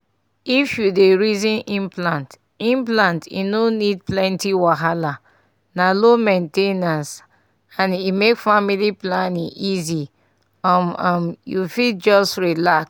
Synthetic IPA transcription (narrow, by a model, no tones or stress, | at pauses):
ifjudeɹizĩnʔĩmplãnt | ĩmplãntḭnonid̚plɛ̃ntiwaɦala | nalomɛ̃ntenãns | ãnimekfamiliplãnĩŋʔizi | ɔmamjufid͡ʒɔstɹilaks